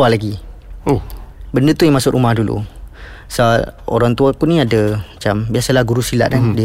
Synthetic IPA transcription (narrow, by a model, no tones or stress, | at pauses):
alaɡi | bəndət̪ujaŋmasʊʔʔumahdulṵ | sao̰ɾaŋt̪uakunĩadəmat͡ʃambiasalahɡuɾusila̰ʔ̚andiə